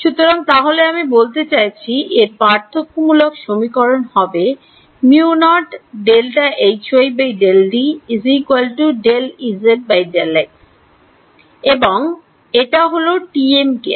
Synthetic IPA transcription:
ʃut̪oɾaŋt̪aɦoleamibolt̪et͡ɕajt͡ɕʰieɾpaɾt̪ʰok̚mulokʃomikɔɾonhɔbe | miunɔʈɖelʈaʔejt͡ɕʰojbejɖelɖiizikualʈuɖelizeʈ̚bajd͡ʑɛlae | eboŋ | eʈaɦoloʈiemkḛ

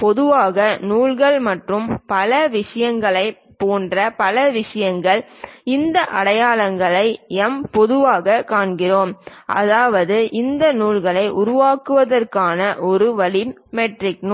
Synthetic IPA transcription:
pɔðɯʋaːɣɐnuːɭɣɐɭmɐʈrɯmpɐlɐʋɪʂɐjɐŋɡɐɭɐɪ | poːndrɐpɐlɐʋɪʂɐjɐŋɡɐɭɪnd̪ɐʔɐɽɐjaːlɐŋɡɐɭɐɪɛmpɔðɯʋaːɣɐkːaːɳɡɪroːmʔɐ̰ðaːʋɐðɯʔɪnd̪ɐnuːlɣɐɭɐɪʔʊɾʊʋaːkɯʋɐðɐrkaːnɐʔɔɾɯʋɐɭi | mɛʈrɪkn

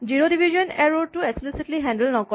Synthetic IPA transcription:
d͡ʒiɾodibʱiʒɔneɾoʈueksplisiʈliɦɛ̃nɖəlnɔkɔ

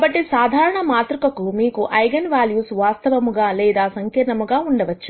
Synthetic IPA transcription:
ɐbɐʈːisaːd̪ʱaːɾɐɳɐmaːt̪ɾukɐkumiːkuʔɐjɡɐnʋaːljuːsʋaːst̪ɐʋɐmuɡaːlɛːd̪aːsɐŋkɐɳɐmuɡaːuɳɖɐʋɐt͡ʃːu̥

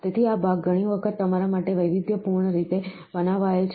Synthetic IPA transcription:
t̪et̪ʰiabaɡɡəɽ̃iʋəkʰət̪ːəmaɾamaʈeʋəjʋid̪jəpuɾɳəɾit̪e | bənaʋajet͡ʃʰ

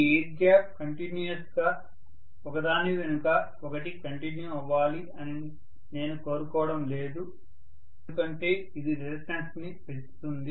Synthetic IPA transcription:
ieːʈ̚ɡaːp̚kɐɳʈinjuɐsɡaː | ɔkɐd̪aːniʋenukɐ | ɔkɐʈikɐɳʈinjuiʋːaːli | ɐni | ne̞ːnuko̞ːɾukɔːʋɐɽɐmle̞ːd̪u | eukɐɳʈe̞ː | id̪iɾelisʈɐnsnipet͡ʃu̥t̪und̪i

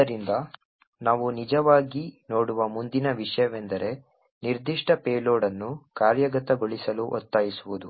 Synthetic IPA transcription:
ɐɾind̪ɐ | naːʋunid͡ʒɐʋaːɡino̞ːɽuʋɐmund̪inɐʋiʂɐjɐʋe̞nd̪ɐɾe̞ | niɾd̪iʂʈɐpeːloːɽɐnːukaːɾjɐɡɐt̪ɐɡoɭisɐluʔɔ̰t̪ːaːjisuʋud̪u

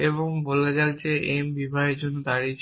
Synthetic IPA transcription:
eβoŋboled͡ʑald͡ʑeembibʱaɦeɾd͡ʑonːod̪aɾit͡ɕʰ

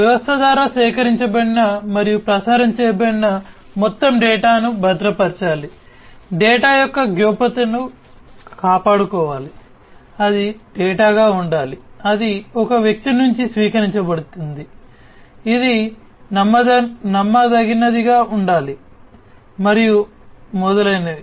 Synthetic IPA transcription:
ʋɛʋɐst̪ɐd̪aːɾaːsɛːkɐɾiɲt͡ʃɐbɐɽinɐmɐɾijupɾɐsaːɾɐmt͡ʃɛːjɐbɐɽinɐ | mɔt̪ːɐmɖɛːʈaːnubʱɐd̪ɾɐpɐɾt͡ʃaːli | ɖɛːʈaːjɔkːɐɡjoːpɐt̪ɐnu | kaːpaːɽukɔːʋaːli | ɐd̪iɖɛːʈaːɡaːuɳɖaːliɐd̪iɔkɐʋjɐk̚t̪inuɲt͡ʃisʋiːkɐɾiɲt͡ʃɐbɐɽut̪und̪iː | d̪i | nɐmːɐd̪ɐnɐmːɐd̪ɐɡinɐd̪iɡaːʔuɳɖaːli | mɐɾiju | mɔd̪ɐlɐjnɐi

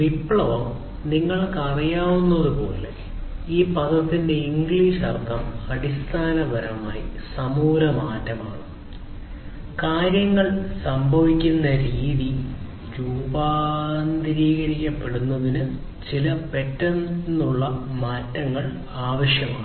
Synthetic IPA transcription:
ʋipːɭɐʋo | niŋːɐɭkɐrijaːʋunːɐðupo̞̰ːlḛ | iːpɐd̪ɐt̪ːinde̞iŋɡɭiːʂɐrkɐmɐɽist̪ʰaːnɐbʱɐɾɐma̰ːjisɐmuːɾɐmaːtːɐmaːɳɨ | kaːɾjɐŋːɐɭsɐmbʱɐʋikʲːunːɐɾiːði | ɾuːbaːnd̪ɾiːɣɐɾikʲːɐpːe̞ɽunːɐðinɨ | t͡ɕilɐpe̞tːɐninuɭːɐmaːtːɐŋːɐɭ | aːʋɐɕjɐmaːɳɨ

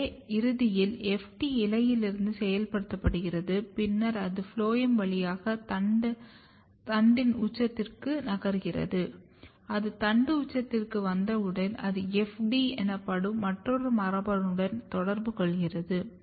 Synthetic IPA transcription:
ɪɾɯðɪjɪlɛfʈiɪlɐjɪlɪɾɯnd̪ɯsɛjɐlpɐɽɯt̪ːɐpːɐɽɯɣɪrɐðɯpɪnːɐɾɐðɯfɭoːjɐmʋɐɭɪjaːɣɐt̪ɐɖ | t̪ɐɳɖɪnut͡ʃːɐt̪ːɪrkɯnɐɣɐɾɯɣɪrɐ̰ðɯ | ɐðɯt̪ɐɳɖɯʊt͡ʃːɐt̪ːɪrkɯʋɐnd̪ɐɯɽɐnɐ̰ðɯɛfɖiɛnɐpːɐɽɯmːɐʈrɔɾɯmɐrɐbɐɾɯɽɐnt̪ɔɽɐɾbɯkɔɭɣɪrɐðɯ

